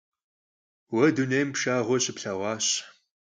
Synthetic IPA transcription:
wɐdunejmpʃaːʁʷɔɕɪpɬɐʁʷɑːɕ

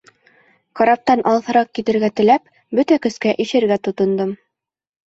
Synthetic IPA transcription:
qɑɾɑp̚t̪ɑnʔɑlˠθɤ̆ɾɑq̚kːit̪ɘ̆ɾɡæt̪ɘ̆læp̚ | bɵt̪ækɵ̆skæʔiʃɘ̆ɾɡæt̪ŏt̪ŏnd̪ɤm

